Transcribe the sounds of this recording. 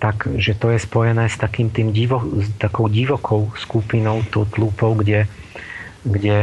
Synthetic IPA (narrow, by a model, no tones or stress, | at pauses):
t̪aɡʒɛt̪ɔjɛspɔjɛnɛːst̪akiːmt̪iːmɟiʋɔt̪akɔʊɟiʋɔkʰɔʊskupinɔʊt̪ɔʊt̪lupɔʊɡɟɛ | ɡɟɛ